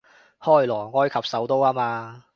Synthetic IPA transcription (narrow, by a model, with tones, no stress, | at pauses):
hɔː˥˩jlɔː˨˩ŋɔː˨˧˨kʰɐ˨p̚sɐ˨˥wt̪o˥waː˥maː˧